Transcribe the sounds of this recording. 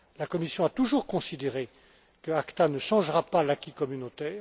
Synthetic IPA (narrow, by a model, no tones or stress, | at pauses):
lakɔmisjɔ̃at̪uʒuʁkɔ̃sid̪eʁe | kəakt̪anəʃɑ̃ʒʁapalakʲikɔmynot̪ɛːʁ